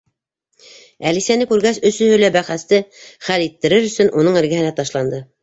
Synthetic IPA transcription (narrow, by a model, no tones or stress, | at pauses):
ælisænɘkʉɾɡæsɵ̆sɵ̆hɵ̆læbæχæst̪ɘχælit̪ːɘ̆ɾɘɾɵ̆sɵnʔunɤɴɘ̆ɾɡæ̆hɘ̆næt̪ɑʃlˠɑnd̪ɤ